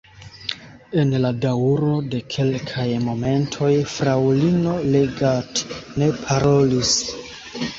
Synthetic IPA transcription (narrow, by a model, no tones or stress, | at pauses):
e̞nladauɾo̞de̞kʰe̞lkʰajmo̞me̞ntʰo̞jfɾawlino̞le̞ɡatne̞pʰaɾo̞lis